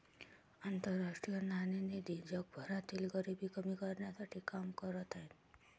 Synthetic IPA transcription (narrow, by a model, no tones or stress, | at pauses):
ant̪əɾːaʂʈɾijɔnanened̪id͡ʒɔk̚bʱɔɾat̪ilɡɔɾibikɔmikɔɾnjasaʈʰikamkɔɾɔt̪aen